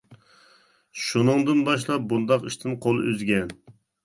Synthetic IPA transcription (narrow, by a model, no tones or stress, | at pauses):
ʃunɨŋd̪ɨnbɑʃlˠɑp̚bund̪ɑqiʃt̪ʰɪnqʰolˠʔøzɡʲɛn